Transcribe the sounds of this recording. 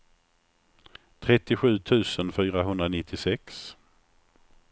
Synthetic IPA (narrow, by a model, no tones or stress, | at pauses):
t̪ʰɾɛt̪ːɪɧʉ̟ːt̪ʰʉ̟ːsənfyːɾaɦɵnd̪ɾanɪt̪ʰːɪsɛks